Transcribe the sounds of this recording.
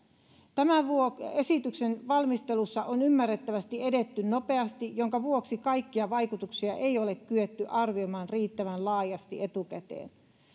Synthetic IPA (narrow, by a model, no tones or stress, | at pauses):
t̪æmæʋuoesit̪yksenʋɑlmist̪e̞lusːɑʔonymːærːet̪ːæʋæst̪iedet̪ːynnope̞ɑst̪ijoŋkɑʋuoksikɑijkːiɑʋɑikut̪uksiɑʔe̞ijole̞kkːyet̪ːyʔɑrʋiomɑːnriːt̪ːæʋænlɑːjɑst̪ie̞t̪ukæt̪ḛːn